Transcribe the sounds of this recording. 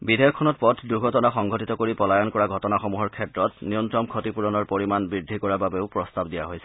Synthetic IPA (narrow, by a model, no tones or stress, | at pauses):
bidʱajɔkkʰːɔnɔt̚pɔtʰduɡʱɔtɔnaxɔŋɡʱɔtitɔkoɹipɔlajɔnkɔɹaɡʱɔtɔnaxomuɦɔɹkʰɛtɹɔtnijɔntɹɔmkʰotipuɹɔnɔɹpoɹimanbɹidʱːikɔɹababeʊpɹɔstabdijaɦojsɛ̥